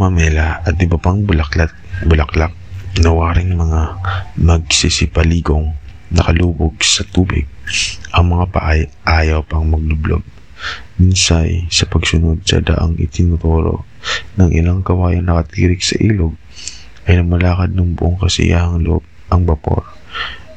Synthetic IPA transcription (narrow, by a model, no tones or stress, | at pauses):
mɐmɛlɐʔɐt̪ʔɪbɐpaŋbʊlɐklat̪̚bʊlɐklak̚nɐwaːɾɪŋmɐŋamɐɡ̚sisɪpɐliːɡoŋ | nɐkɐluːboɡ̚sɐt̪uːbɪ̰ɡ̚ʔɐŋmɐŋapɐ̰ʔa | ʔaːjɐwpɐŋmɐɡ̚lʊblo̰ɡ̚ | minsajsɐpɐɡsʊnod̪̚sɐ̰d̪ɐ̰ʔa̰ŋɪ̰t̪ɪnʊt̪oːɾo̰ | nɐŋʔɪ̰laŋkɐwaːjɐnːɐkɐt̪iːɾɪksɐʔiːloɡ̚ | ʔɐjnɐmɐlaːkɐd̪̚nɐŋbʊʔoŋkɐsɪ̰jʔa̰hɐŋlʊʔob̚ɐŋbɐpo̰ɾ